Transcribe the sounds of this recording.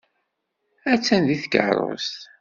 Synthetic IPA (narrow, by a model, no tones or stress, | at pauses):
æt͡sːænðiθəɡə̰ʕɾˤo̰st